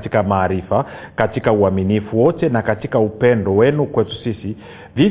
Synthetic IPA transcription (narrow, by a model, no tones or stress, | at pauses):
tikamaːɾifakatikauaminifuwɔtɛnakatikaupɛndɔwɛnukwɛtu̥sisi | vi